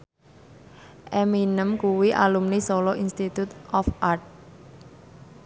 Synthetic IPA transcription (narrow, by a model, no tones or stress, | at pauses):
ʔɛminəmkuwiʔa̰lumnisolɔʔinst̪it̪ut̪ɔfʔart̪̚